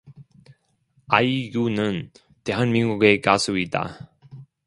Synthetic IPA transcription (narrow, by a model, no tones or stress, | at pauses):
aiɡunɯn | te̞ɦanminɡuɡe̞kasʰuid͈a̰